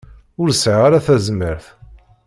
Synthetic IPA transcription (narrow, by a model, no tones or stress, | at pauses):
ʊɾsʕʁaɾaθæzməɾθ